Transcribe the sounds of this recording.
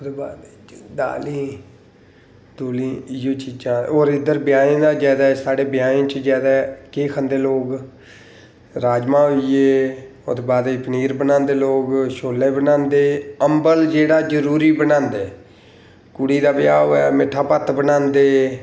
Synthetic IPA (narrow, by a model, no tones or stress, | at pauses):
d̪eba̰ːd̪e | d̪a̰ːlĩː | d̪oːlĩːɪjõːt͡ʃiːd͡ʒãːoːɾɪd̪əɾbɪjaːẽːd̪aːd͡ʒɛːd̪aːɛsaːɽeːbɪjaːẽːt͡ʃd͡ʒɛːd̪aːkeːkʰənd̪eːloːɡ | ɾaːd͡ʒmãːɦʊieːo̰d̪eːbaːd̪epəniːɾbənãːnd̪eːloːɡʃoːleːbənãːnd̪eːəmbəld͡ʒeːɽaːd͡ʒəɾuːɾiːbənãːnd̪eː | kʊɽiːd̪aːbɪjaːɦoːɛːmɪʈʰːaːpət̪bənãːnd̪eː